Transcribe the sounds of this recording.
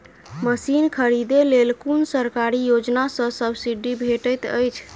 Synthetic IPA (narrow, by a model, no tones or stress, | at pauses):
məsinkʰəɾid̪elelkunsəɾkaɾijod͡ʒnasəsəbʱsiɖibʱeʈət̪ə̰jt͡ʃʰ